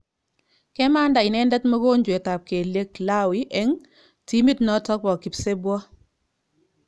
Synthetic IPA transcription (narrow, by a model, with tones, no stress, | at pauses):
kɛ˦ma˦nda˨ɪ˨nɛ˦ndɛ˦tmɔ˦ko˦ɲd͡ʒwe˨ta˨p̚ke˨le˦kla˦wi˦ʔɛ˦ŋ | ti˦mi˦tnɔ˦tɔ˦k̚bɔ˨ki˨pse˦bwɔ˦